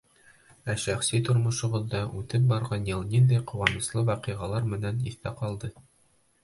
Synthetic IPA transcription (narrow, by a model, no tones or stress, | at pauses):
æʃæχsit̪ŏɾmŏʃŏʁɤ̆ðːɑʔʉt̪ɘp̚bɑɾʁɑnjɤlˠnind̪æjqŏwɑnɤ̆slˠɤwæqɤ̆ʁɑlˠɑɾmɘ̆næniθt̪æqɑlˠd̪ɤ